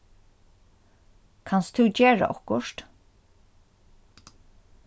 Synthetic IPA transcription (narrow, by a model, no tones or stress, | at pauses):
kʰanst̪ʰʉt͡ɕeːɹa̰ʔɔ̰kʊʃt̪